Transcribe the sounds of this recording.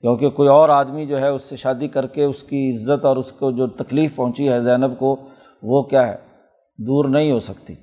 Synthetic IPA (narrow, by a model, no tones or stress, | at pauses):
kjõːkekoːiɔːɾaːd̪mid͡ʒoːɦɛʊsːeʃaːd̪ikɐɾkeʊskiɪzːət̪ɔːɾʊskod͡ʒoːt̪ɐkliːfpɐɦʊ̃t͡ʃiɦɛzɛːnəbko | ʋokjaɦɛ̰ː | d̪uːɾnɐɦĩɦosɐkt̪ḭː